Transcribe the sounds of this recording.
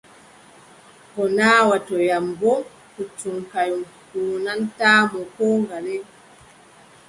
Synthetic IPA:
kɔnaːwatɔjambɔ | kut͡ʃuŋkajɔnkuːnantaːmɔkɔŋɡalɛ

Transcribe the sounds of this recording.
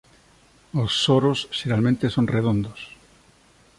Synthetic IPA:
osːoɾosʃeɾalmẽnt̪esonreðond̪os

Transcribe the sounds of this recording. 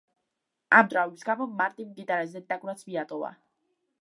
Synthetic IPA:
amd̪ɾaɔbisɡamɔmaɾt̪ʼimd̪id̪aɾɛzɛd̪akʼɾat̪sʰmiat̪ʼɔva̰

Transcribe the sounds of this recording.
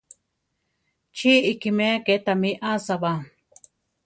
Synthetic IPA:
t͡ʃiikimeket̪amiʔasaβa

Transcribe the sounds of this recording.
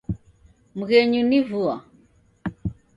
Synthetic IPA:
muɣɛɲunivua

